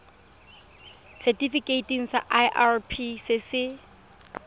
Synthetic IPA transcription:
sɛtʼifikʼeitʼiŋ̩sa̰ʔajʔarpʰisɪsɪ

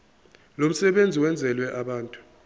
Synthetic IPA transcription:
lom̩sɛɓend͡zʱiwɛnd͡zʱɛlwɛʔaɓaːntʼu̥

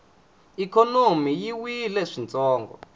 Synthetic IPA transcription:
ikɔnomijiwilɛʂint͡sʼɔːŋɡɔ̰

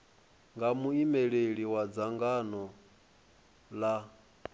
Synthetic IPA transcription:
ŋɡamuimɛɺeɺiwad͡zaŋɡanɔ | la

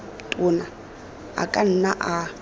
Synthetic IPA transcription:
tʼʊna | a̰kʼan̩naʔa

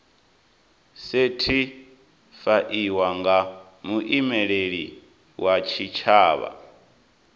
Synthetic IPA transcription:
setʰi | faʔiwaŋɡa | muʔimɛɺeɺḭ | wat͡ʃʰit͡ʃʰaːβa̰

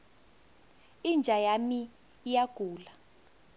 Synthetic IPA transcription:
ind͡ʒʱajamiː | jaɡ̥ʱuːla

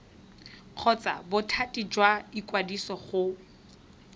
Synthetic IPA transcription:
q͡χʰɔt͡sa̰bʊtʰatʼid͡ʒwaikʼwadisɔχʊ

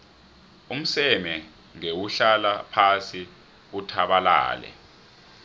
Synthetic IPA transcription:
um̩sɛmɛ | ŋewuɬalapʰasi | utʰaɓala̰ːlɛ̰

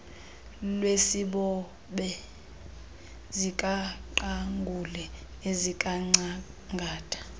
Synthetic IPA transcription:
lwesiɓɔ | ɓɛ | zikʼaǃaŋɡʱulɛezikʼaŋ͡ǀaŋɡʱaːtʼʰḁ

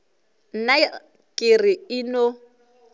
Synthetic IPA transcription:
n̩na | kʼɪrɪɪno

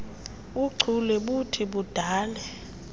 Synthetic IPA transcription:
uǀʱʰulɛɓutʰiɓud̥ʱaːlɛ

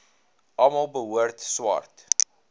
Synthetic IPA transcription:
ʔɐmɐlˠbəɦuərtswɑ̰rt

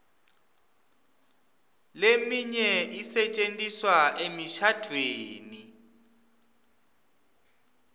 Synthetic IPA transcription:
lemiɲɛisɛt͡ʃʼentʼiswaʔemiʃad̥ʱweːni

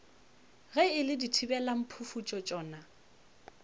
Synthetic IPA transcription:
ɣɛɪlɪditʰibɛlam̩pʰufut͡ʃʼɔt͡ʃʼɔːna

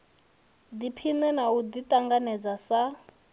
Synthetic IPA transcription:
d̪ipʰinɛnaud̪it̪ʼaŋɡanɛd͡zasa

